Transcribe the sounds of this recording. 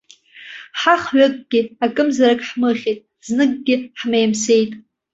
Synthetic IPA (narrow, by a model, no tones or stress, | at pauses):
ħaχɥakʼɡʲɪakʼɨmzaɾakʼħmɨχʲitʼ | znɨɡɡʲɪħmejmsejtʼ